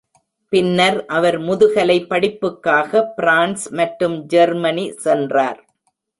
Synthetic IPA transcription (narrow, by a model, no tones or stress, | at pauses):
pɪnːɐɾʔɐʋɐɾmʊðɯɣɐlɐɪpːɐɽɪpːɯkːaːɣɐpɪɾaːnsmɐʈːɯmd͡ʒɐɾmɐnisɛndra̰ːɾ